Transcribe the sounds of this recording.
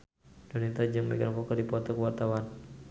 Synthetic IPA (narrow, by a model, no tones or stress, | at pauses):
dɔnit̪ad͡ʒɨŋmɛ̰ɡanfɔkərdipɔt̪ɔkəwart̪awan